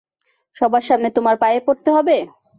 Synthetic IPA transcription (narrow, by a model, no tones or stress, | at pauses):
ʃɔbaɾʃamnet̪omaɾpajepoɾt̪eɦɔbe